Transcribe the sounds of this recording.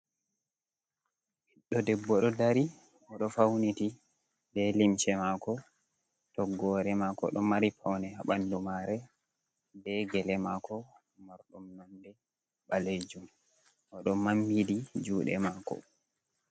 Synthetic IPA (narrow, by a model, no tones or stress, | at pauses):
hiɗːɔdɛbːɔɗɔdaɾi | ɔɗɔfawniti | bɛlimt͡ʃɛmakɔ | tɔɡːɔɾɛmakɔ̰ɗɔmaɾipʰawnɛaɓandumaɾɛ | dɛɡɛlɛmaːkʰɔ | maɾɗumnandɛ | ɓaled͡ʒum | ʔɔɗɔmambidid͡ʒuːɗɛ̰maːkɔ̰